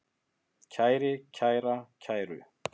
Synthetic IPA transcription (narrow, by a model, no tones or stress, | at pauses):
cʰaːjɾɪcʰaːjɾacʰaːjɾʏ̰